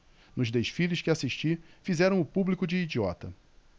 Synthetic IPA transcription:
nʊzd̪eʃfilɪʃkɪasiʃt͡ʃifizɛɾɐ̃w̃ʊpublikʊd͡ʒɪːd͡ʒiɔt̪ɐ

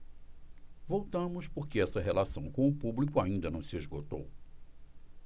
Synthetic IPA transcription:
vowt̪ɐ̃mʊspoɾkɪɛsɐɦelasɐ̃w̃kõʊpublikʊaĩnd̪ɐnɐ̃w̃sɪezɡot̪o̰w

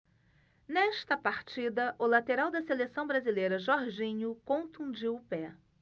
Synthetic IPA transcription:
nɛʃt̪ɐpaɾt͡ʃid̪ɐʔʊlat̪eɾawd̪ɐselesɐ̃w̃bɾazilejɾɐʒɔɾʒĩɲʊkõnt̪ũd͡ʒiwʊpɛ

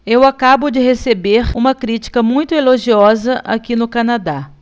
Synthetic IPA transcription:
ewakabʊd͡ʒɪɦesebeɾũmɐkɾit͡ʃi̥kɐmũj̃t̪ʊeloʒiɔzɐʔa̰kinʊkanad̪a

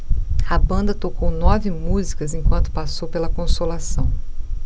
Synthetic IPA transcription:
ɐbɐ̃nd̪ɐt̪okownɔvɪmuzikɐzẽkwɐ̃nt̪ʊ̥pasowpelɐkõsolasɐ̃w̃

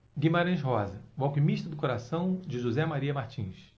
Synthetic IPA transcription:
ɡimaɾɐ̃j̃ʃ̬ɦɔzɐvawkimiʃt̪ɐd̪ʊkoɾasɐ̃w̃d͡ʒɪʒuzɛmaɾiɐmaχt͡ʃĩs

